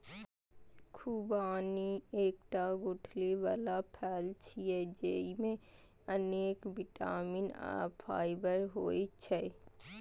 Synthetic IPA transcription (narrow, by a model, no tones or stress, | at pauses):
kʰubaːnieːkʈaɡʊʈʰliʋaːlapʰɛːlt͡ʃʰiːed͡ʒeːimẽ | əneːkbɪʈaːmina̰pʰaːɪbəɾɦoːit͡ʃʰɛ